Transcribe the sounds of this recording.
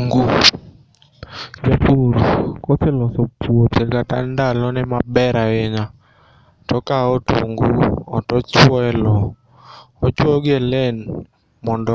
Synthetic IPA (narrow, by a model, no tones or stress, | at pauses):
ŋɡu | d͡ʒapoɾkɔsɛlɔsɔpwotekatandalɔnɛmabɛɾawɪɲa | tɔkaoto̰ŋɡuɔtɔt͡ʃwɛlɔ | ɔt͡ʃwɔɡelen | mɔndɔ